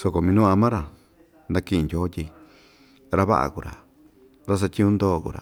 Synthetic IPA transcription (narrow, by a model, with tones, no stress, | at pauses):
so˧ko˨mĩ˧nũ˦a˧mã˦ɾa˨ | nd̪ã˧kĩ˦ʔndʲoː˦t̪ʲi˧ | ɾa˦βa̰˦ʔa̰˨ku˨ɾa̰˨ | ɾa˦s̬a˧t̪ʲĩ˦ũ˦nd̪oː˦˨kṵ˨ɾa̰˨